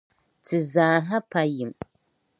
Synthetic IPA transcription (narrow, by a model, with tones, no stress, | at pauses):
tʰɨ˨zaː˨ɦa˦pa˦ji˨m